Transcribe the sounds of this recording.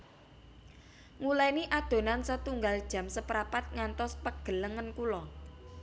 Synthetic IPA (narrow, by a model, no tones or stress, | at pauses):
ŋulaniʔad̪̥o̤nansət̪uŋɡald̥ʒ̥ä̤msəpɾapat̪̚ŋant̪ɔspəɡ̥ə̤ləŋənkulɔ